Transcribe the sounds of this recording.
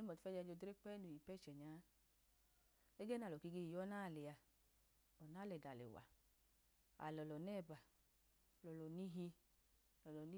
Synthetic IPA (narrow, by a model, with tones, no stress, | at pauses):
n˦mɔ˨ti˨˦fɛ˦d͡ʒa˧˦d͡ʒo˧de˦k͡pɛ˦nu˨ji˨pɛ˦˨t͡ʃɛ˨ɲaː˨˦ | e˦ɡɛ˦na˨lɔ˨ki˧ɡe˧˨jɔ˦naː˦˨lɛ˨a˧ | ɔ˨na˦˨lɛ˨da˨lḛ˨wa̰˨ | a̰˨lɔ˨lɔ˨nɛ˦˨ba˨ | lɔ˨lɔ˨ni˦ɦi˧˨ | lɔ˨lɔ˨ni˦